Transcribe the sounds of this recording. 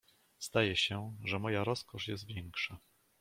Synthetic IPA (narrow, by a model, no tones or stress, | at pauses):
z̥d̪ajɛɕɛʐɛmɔjaɾɔskɔʂjɛ̰st̪vʲjɛŋkʂa